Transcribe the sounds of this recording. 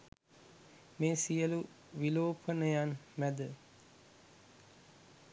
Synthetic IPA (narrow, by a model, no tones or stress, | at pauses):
meːsijəlu | ʋiloːpʰənəjanmæd̪ə